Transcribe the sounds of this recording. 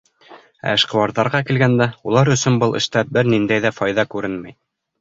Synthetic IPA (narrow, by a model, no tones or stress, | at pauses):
æ̰ɘ̆ʃqɤ̆wɑɾðɑɾʁɑkilɡænd̪æulˠɑɾɵ̆sɵnbɤlˠɘ̆ʃt̪æp̚bɘɾnind̪æjðæfɑjðɑkʉɾɘnmæj